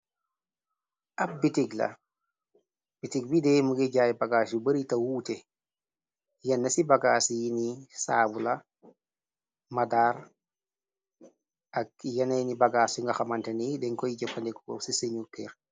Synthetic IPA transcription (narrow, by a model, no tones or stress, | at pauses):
ap̚bitiɡlɐ̰ | b̥itiɡ̚bidɛmuɡeɟaːjbaɡaːsubɐɾitawuːte | jɐnːɐsibaɡaːsijinisaːbula | madaːɾ | ʔak̚jɐnɛnibaɡaːsuŋɡɐxamantenidɛŋkɔjiɟɛpːandɛkuɡɔ̰ksiseɲupʰɛːɾ